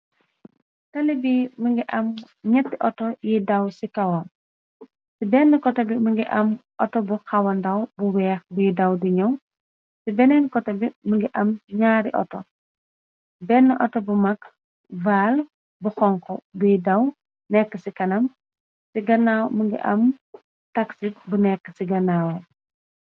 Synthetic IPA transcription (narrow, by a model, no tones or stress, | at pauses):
tɐlibiməŋɡiʔɐm | ɲɛtːiʔɔtɔjidɐwsikɐwɐm | sibɛnːɐkɔtɐbimuŋɡiʔɐmʔɔtɔbuxɐwɐndɐwbuwɛːxbujidɐwdiɲɔw | sibɛnɛnkɔtɐbiməŋɡiʔɐmɲaːɾiʔɔ̰tɔ | bɛnːəʔɔtɔbumɐk | vaːl | buxɔŋkɔbujidɐw | nɛkːəsikɐnɐm | siɡɐnawmuŋɡḭʔɐm | tɐksit̚bunɛkːəsiɡɐnaːw